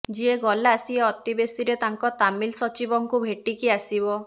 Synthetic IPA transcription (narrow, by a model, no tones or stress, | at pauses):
d͡ʒieɡɔlaːsieɔt̪ibesiɾet̪aŋkɔt̪amilsɔt͡ʃibɔŋkubʱeʈikiasibɔ